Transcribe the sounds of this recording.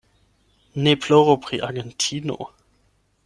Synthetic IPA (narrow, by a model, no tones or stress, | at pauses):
nepʰloʁopʁ̥iʔaɡɛntʰiːno̰